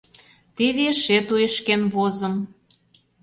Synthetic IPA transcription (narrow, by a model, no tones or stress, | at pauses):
t̪eβeʃet̪ueʃkenβozə̆m